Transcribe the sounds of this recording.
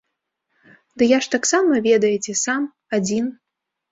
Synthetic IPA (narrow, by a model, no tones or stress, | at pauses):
d̪ɨjaʂt̪aksamɐvʲɛd̪ɐjɛt͡sʲɛsam | ad͡zʲin